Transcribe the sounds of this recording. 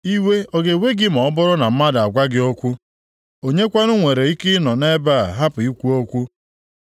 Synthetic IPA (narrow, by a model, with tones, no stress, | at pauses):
i˦we˦o˦ɡe˨we˦ɡɪ˦m̩˨ɔ˨ɔ˦bʊ˦ɾʊ˦na˨m̩˦ma˦da˨ɡʷa˦ɡɪ˦o˦kʷu˦ | o˨ɲe˦kʷa˦nʊ˦ŋʷe˨ɾe˨i˦kɪ˦nɔ˨ne˦ba˦˨ɦa˦pʊ˨i˦kʷu˦o˦kʷu˦